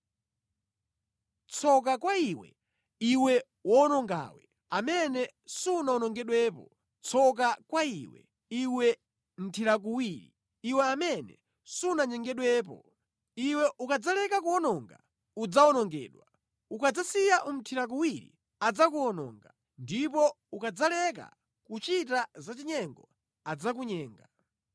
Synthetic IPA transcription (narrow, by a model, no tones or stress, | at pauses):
t͡sʰɔk̬akwaiwɛ̰ | iwɛ | wɔnɔŋɡa̰wɛ̰ | amɛnɛsunaɔnɔŋɡɛɗwɛːpɔ | t͡sʰɔk̬akwaiwɛ̰ | iwɛ | m̩tʰiɾak̬uwiɾḭ | iwɛamɛnɛ̰ | sunaɲɛŋɡɛɗwɛːpɔ̰ | iwɛʔukad͡zalɛkakuɔnɔːŋɡa | ud͡zaɔnɔŋɡɛ̰ːɗwa | ukad͡zasijaʔum̩tʰiɾak̬uwiɾḭ | ad͡zakuɔnɔ̰ːŋɡa | ndipɔ | ukad͡zalɛka̰ | kut͡ʃitazat͡ʃiɲɛŋɡɔ | ad͡zak̬uɲɛːŋɡa